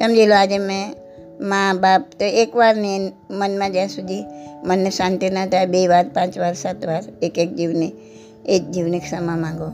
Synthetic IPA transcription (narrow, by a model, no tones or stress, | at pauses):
t̪ɐmd͡ʒiloaːd͡ʒemɛ̃ | mãːbaːp̚t̪oeːkʋaːɾnen | mənmãd͡ʒasud̪ʱimənːsãːnʈ̪enat̪abeʋaːɾpãːt͡ʃʋaːɾsaːt̪ʋaːɾeːkeːk̚d͡ʒiːʋne | eːk̚d͡ʒiːʋneksɐmãmãːŋɡo